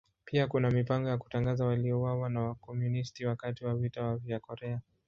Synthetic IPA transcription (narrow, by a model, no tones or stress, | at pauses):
pʰiakunamipaŋɡɔjaku̥taŋɡazawaliɔwawanawakɔmjunistiwakatiwavitawavjakɔɾɛa